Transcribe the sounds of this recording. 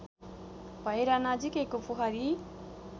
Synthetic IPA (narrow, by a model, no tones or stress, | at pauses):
bajɾanad͡ʒikekupuɦaɾi